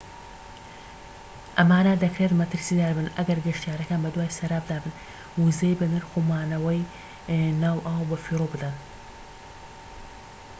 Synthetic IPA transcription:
ʔɐmaːnad̪ɐkɾet̪mɐt̪ɨɾsid̪aːɾbɨnɐɡɐɾɡɐʃt̪ijaːɾɐkaːnbɐd̪waːjsɐɾaːb̚d̪aːbɨn | wuzejbɐnɨɾxomaːnɐwɐj | naːwʔaːwbɐfiːɾobɨd̪ɐn

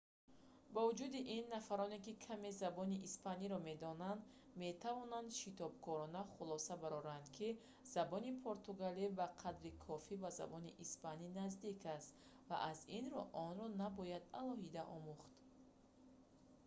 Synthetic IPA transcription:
bavud͡ʒud̪iʔinːafaɾɔne̞kikʰame̞zabɔniʔispaniɾɔme̞d̪ɔnand̪ | me̞t̪ʰavɔnand̪ʃit̪ɔb̚kʰɔɾɔnaχulɔsabaɾɔɾand̪kʰi | z̥abɔnipʰoɾt̪uɡalibaqʰad̪ɾikʰɔfibaza̰bɔniʔispaninazd̪ikʰast̪ | va̰ʔazinɾɔʔɔnɾɔnabɔjad̪alɔɦid̪aʔɔmuχt̪

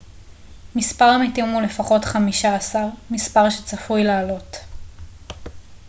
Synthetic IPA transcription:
mispaʁamitimule̞faχo̞tχamiʃaːsaʁmispaʁʃet͡safujlaːlo̞t

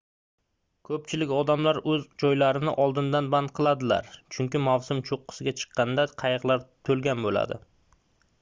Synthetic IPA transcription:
kʰɵp̚t͡ʃʰɪlɪkʲɒd̪amlaɾɵzd͡ʒɒjlaɾɪnɪʔɒlˠd̪ɪnd̪anband̪̚qʰɨlˠad̪ɪla̰ɾt͡ʃʰʊŋkʲɪmawsʊmt͡ʃʰoqːɨ̥sɪɡʲat͡ʃʰɨ̥qʰːɑnd̪aqʰɑjɨqlˠaɾt̪ʰɵlˠɡʲanbola̰d̪ɪ̰

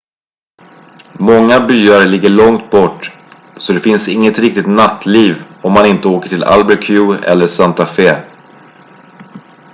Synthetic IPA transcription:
mɔŋːabyːaɾlɪɡːəɭɔŋt̪̚bɔʈː | sɔd̪ɛfɪnsɪŋːət̪ɾɪk̚t̪ɪt̪nat̪ʰːliːvɔmːanɪnt̪əoːkə̥ʈʰɪla̰lbɛɾkʰʉːɛ̰lːəʂant̪afeː

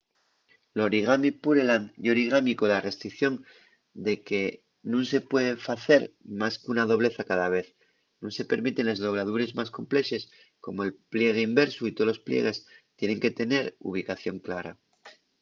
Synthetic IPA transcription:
lo̞ɾiɣamipuɾelanoɾiɣ̞amikoðare̞st̪ɾikθjo̞n | d̪e̞ke̞ | nũŋse̞pwe̞ðefaθe̞ɾmaskunað̞o̞βle̞θakaðaβ̞e̞θ | nũŋse̞pe̞ɾmit̪e̞nle̞zðo̞β̞laðuɾe̞zmasko̞mple̞ʃe̞s | ko̞mo̞e̞lplje̞ɣ̞eimbe̞ɾsuit̪olo̞splje̞̰ɣ̞e̞st̪je̞ne̞ŋke̞t̪e̞ne̞ɾṵβ̞ikaθjo̞ŋklaɾa

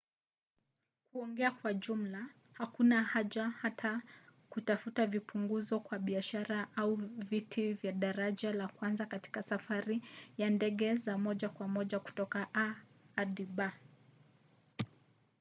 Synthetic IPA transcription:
kuɔŋɡɛakwaʄum̩la | hakunahaʄahatʰakutafutavipuŋɡuzɔkwaɓiaʃaɾaʔauvitʰivjaɗaɾaʄalakwanzakati̥kasafaɾijandɛɠɛzamɔʄakwamɔʄaku̥tɔkaʔaː | ɗiɓa

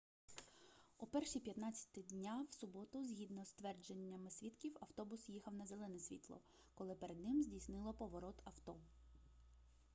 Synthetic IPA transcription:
ʊpɛrʃipʲjɐt̪nɑt͡sʲːɐ̥t̪ɪdʲnʲawsʊbɔt̪ʊzʲɦʲid̪nɔst̪ʋɛrd͡ʒenʲːɐmɪsʲʋʲit̪kʲiwɐwt̪ɔbʊsjixɐwnɐzelˠɛnɛsʲʋʲḭt̪lˠɔ̰ | kɔlˠɪpeɾed̪nɪmzʲdʲijsnɪlˠɔpɔʋɔɾɔt̪ɐwt̪ɔ

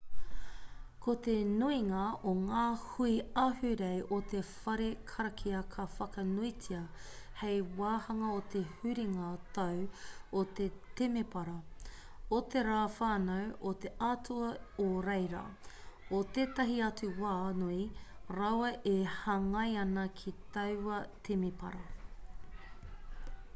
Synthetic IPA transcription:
kʰot̪enuiŋɐoŋaːhuiɐhʉɾejʔot̪ʰefɐɾekʰɐɾɐkʰiɐkʰɐfɐkɐnuit͡siɐ | hejwaːhɐŋɐot̪ehʉɾiŋat̪ɐwot̪et̪emepɐɾɐ | ot̪eɾaːfaːnɐwot̪eʔatʰuɐoɾejɾa̰ːot̪eːt̪ɐɦiɐt͡suwaːnuiɾɐwɐʔehɐŋɐjɐnɐkʰit̪ɐwɐt̪ʰemepɐ̰ɾɐ

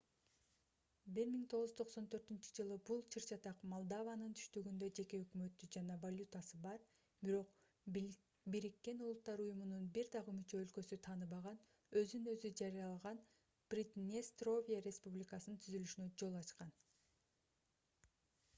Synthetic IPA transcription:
biɾmiŋt̪ʰo̞ʁuzt̪ʰo̞qso̞nt̪ʰø̞ɾt̪ynt͡ʃy̥d͡ʒɯlˠɯbulˠt͡ʃʰɯɾt͡ʃɑt̪ɑqmolˠd̪avanɯnt̪ʰy̥ʃt̪yɡynd̪ø̞d͡ʒe̞ke̞økmø̞t̪ːyd͡ʒɑnɑvalʲut̪asɯbɑɾ | biɾo̞q | biɾikːe̞nulˠut̪ːɑɾujumununbiɾd̪ɑʁɯmyt͡ʃø̞ːlkø̞syt̪ʰɑːnɯβɑʁɑn | ø̞zynø̞zyd͡ʒɑɾijɑlˠɑʁɑn | b̥rʲit̪nʲest̪ro̞vʲijaɾʲe̞spublʲikɑsɯnɯnt̪ʰyzylyʃynød͡ʒo̞lˠɑt͡ʃqɑn

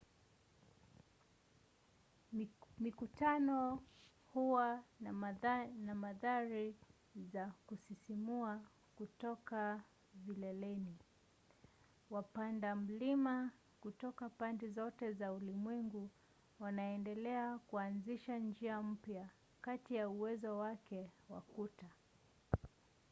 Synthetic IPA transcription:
mikutanɔ | huwa | namaðaɾi | zakusisimua | kutɔka | vilɛlɛni | wapandam̩lima | kutɔkapandizɔtɛzaulimwɛŋɡu | wanaɛndɛlɛakuanziʃand͡ʒiam̩pja | katijauwɛzɔwakɛwa̰kuta

